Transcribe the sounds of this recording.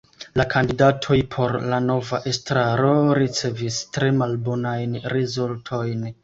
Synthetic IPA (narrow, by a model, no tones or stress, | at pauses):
lakʰandidatʰo̞jpʰo̞ɾlano̞vaʔe̞stɾaɾo̞ɾit͡se̞vistɾe̞malbo̞najnɾizultʰo̞jn